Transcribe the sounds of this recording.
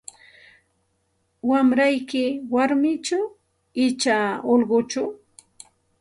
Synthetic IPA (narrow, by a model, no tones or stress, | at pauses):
wamɾajkɪwaɾmɪt͡ʃa | ɪt͡ʃaolɢʊt͡ʃʊ